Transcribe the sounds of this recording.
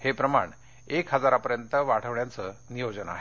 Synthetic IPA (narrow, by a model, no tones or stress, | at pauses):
hepɾəma̰ɳ | ekɦəd͡zaɾapəɾjənt̪əʋaɽ̤ʰəʋɳjat͡sənijod͡ʑəna̰ɦe